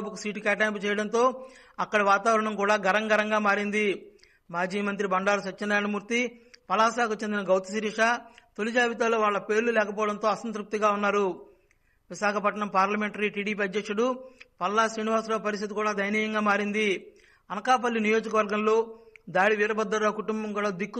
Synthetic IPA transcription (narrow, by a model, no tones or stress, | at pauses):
bɐkusiːʈikaːʈ̬aːmput͡ʃɛːjɐɽɐnt̪o̞ː | ɐkːɐɽɐʋaːt̪aːʋɐɾɐɳɐmkuːɽaːɡɐɾɐŋɡɐɾɐŋɡaːmaːɾind̪i | maːd͡ʒiːmɐnt̪̬ɾibɐɳɖaːɾɐsɐt͡ʃːɐnːaːɐnɐmuːɾt̪ipɐlaːsaːkut͡ʃend̪inɐɡɐwt̪isiɾiʂaːt̪olid͡ʒaːʋit̪aːloːʋaːɭːɐpe̞ːɾlulɛːkɐpɔːɐɽɐnt̪oːɐsɐnt̪ɾuk̚t̪iɡaːunːaːɾu | ʋiʃaːkɐpɐʈɐɳɐmpaːɾlɐme̞ɳʈɐɾiːʈiːɽiːp̬iːɐd̪jɐkʂuɽupɐlːasɾiːniʋaːsloːpɐɾist̪it̪ikuːɽaːd̪ʱɐjniːjɐŋɡaːmaːɾind̪i | ɐnɐkaːp̬ɐlːinijo̞ːd͡ʒɐkɐʋɐɾɡɐmlo̞ːd̪aːɽiʋiːɾɐbɐd̪ːɐɾoːkuʈumbɐmkuːɽaːd̪ikːu